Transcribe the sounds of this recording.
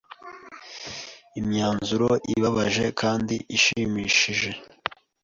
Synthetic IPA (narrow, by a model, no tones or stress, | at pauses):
imɲaːnzuɾoʔḭβaβaʒe̞kʰaːndiʔiʃimiːʃiʒe̞